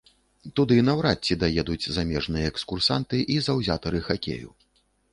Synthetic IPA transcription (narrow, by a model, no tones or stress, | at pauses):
t̪ud̪ɨnɐwɾat͡sʲːid̪ajɛd̪ut͡sʲzamʲɛʐnɨjɐɛkskursant̪ɨʔizɐwzʲat̪ɐɾɨxakʲḛjṵ